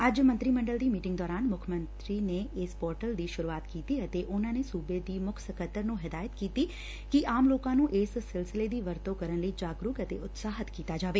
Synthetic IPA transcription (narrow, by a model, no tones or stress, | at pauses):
əd͡ʒmə̃nt̪ɾimə̃ɳɖəld̪iːmiːʈɪ̃ŋɡd̪ɔːɾaːnmʊkʰmə̃nt̪ɾiːneeːspɔːɾʈəld̪iːʃʊɾuaːt̪kiːt̪iət̪eʔʊnãːnesuːbed̪iːmʊkʰsəkət̪ːəɾnũːɦɪd̪aːjət̪kiːt̪iː | kiʔaːmloːkãːnũːʔeːsːɪlsɪled̪iːʋəɾt̪okəɾənləid͡ʒaːɡɾʊːkət̪ḛʔʊt̪saːɦət̪kiːt̪aːd͡ʒaːʋeː